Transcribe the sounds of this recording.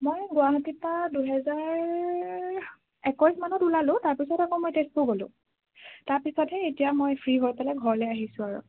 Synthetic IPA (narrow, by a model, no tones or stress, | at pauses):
mojɡʊanɔtipaduɦɛzaɹ | ɛkɔjsmanɔtulalʊ̃taɹpisɔtakɔ̃mojtespuɡolʊ̰̃ | taɹpisɔtɛetijamojpʰɹiɦɔɹpɛlɛɡʱɔɹɔlɛjaɦisʊ̃aɹṵ